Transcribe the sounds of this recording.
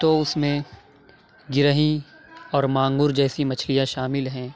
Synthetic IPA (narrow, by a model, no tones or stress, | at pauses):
t̪oʊsmẽ | ɡɪɾəɦĩ | ɔːɾmãːŋɡʊɾd͡ʒɛːsimɐt͡ʃʰlijaʃaːmɪlɦɛ̃ː